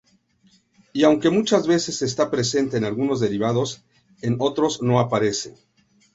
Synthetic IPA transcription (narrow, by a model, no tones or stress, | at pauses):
iawŋke̞mut͡ʃazβe̞se̞se̞st̪apɾe̞se̞nt̪e̞ːnalɣuno̞zðe̞ɾiβaðo̞s | e̞no̞t̪ɾo̞zno̞apaɾe̞sḛn